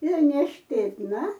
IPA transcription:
ɪr nʲɛʃʲpʲeːtˈnɐ

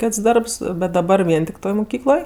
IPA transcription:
ˈkʲeːts ˈdɐrps bʲɛt dɐˈbɐr ˈʋʲiɛn tʲɪk ˈtoːj mʊˈkʲiːklˠoːj

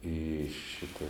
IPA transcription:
iː ˈʃʲɪtɐ

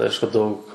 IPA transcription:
ˈɐɪʃkʊ ˈdɐʊk

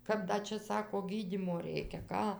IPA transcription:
ˈkɐp ˈdɐ t͡ʃʲɛ ˈsɑːkoː ˈɡʲiːdʲiːmoː ˈrʲɛɪkʲɛ ˈkɑː

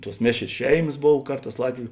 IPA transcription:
tuɔs ˈmʲeːʃʲrʲeːs ˈʃʲɛɪmɐs ˈboːw ˈkɐrˌtɑːs ˈlˠɑːtʲʋʲʊ

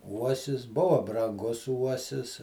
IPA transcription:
ˈuɔsʲɪs ˈbʊʋoː brɐŋˈɡʊs ˈuɔsʲɪs

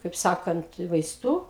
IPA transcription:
kɐɪp ˈsɑːkɐnt ʋɐɪˈstuː

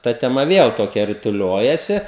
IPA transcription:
ˈtɐ tʲɛˈmɐ ˈʋʲiɛlˠ toːˈkʲɛ rʲɪtʊˈlʲoːjɛsʲɪ

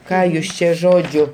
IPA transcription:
ˈkɑː jʊs ˈt͡ʃʲɛ ˈʒoːd͡ʒʲʊ

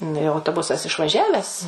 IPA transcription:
nʊ jɛʊ ɐʊtoːˈbʊsɐs ɪʃʋɐˈʒʲæːʋʲɛs

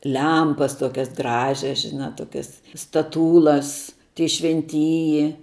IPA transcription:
ˈlʲɛmpɐs ˈtoːkʲɛs ˈɡrɑːʒʲɛs ʒʲɪˈnɐ ˈtoːkʲɛs stɐˈtuːlˠɐs tʲiɛ ʃʲʋʲɛnʲˈtʲiːjɪ

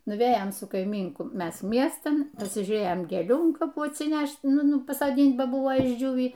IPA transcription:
nʊˈʋʲeːjoːm sʊ kɐɪˈmʲiːŋkʊ ˈmʲɛs ˈmʲiɛstɐn nʊsʲɪʒʲuːˈrʲeːjoːm ɡʲeːˈlʲuː ɐn kɐˈpuː ɐtʲsʲɪˈnʲæʃʲtʲ ˈnʊ ˈnʊ pɐsoːˈdʲiːnʲtʲ bɐ ˈbʊʋoː ɪʒʲˈd͡ʒʲuːʋʲiː

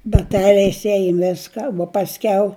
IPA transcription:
bɐˈtʲæːlʲɛɪs ˈæːjʊm ˈʋʲɪskɐ uɔ pɐsʲˈkʲɛʊ

